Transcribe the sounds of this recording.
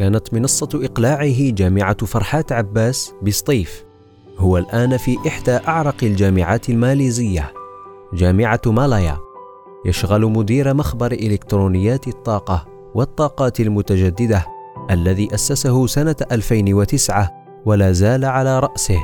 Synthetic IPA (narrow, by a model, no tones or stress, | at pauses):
kaːnat̪mɪnɑsˤːɑʔɪqlaːʕɪɦd͡ʒaːmɪʕafɑɾˤħaːt̪ʕabːaːsbɪsˤt̪ˤiːf | hʊwalʔaːnfiːʔɪħd̪aːʔaʕɾˤɑqald͡ʒaːmɪʕaːt̪ɪlmaːliːzɪjːa | d͡ʒaːmɪʕamalaja̰ | jaʃɣalmʊd̪iːɾmaxbɑɾˤʔɪlɪkt̪ɾuːnɪjːaːt̪ɑt̪ˤːɑːqɑ | wɑt̪ˤːɑːqɑːt̪almʊt̪ad͡ʒad̪ːɪd̪aʔalːaðiːʔasːasahʊsanaʔalfajnwat̪ɪsʕa | walaːzaːlaʕalaːɾˤɑʔsɪh